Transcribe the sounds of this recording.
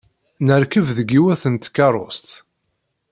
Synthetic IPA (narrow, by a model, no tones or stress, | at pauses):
nəɾkəvðəɡiwæθənt̪kːɑɾˤo̰st̪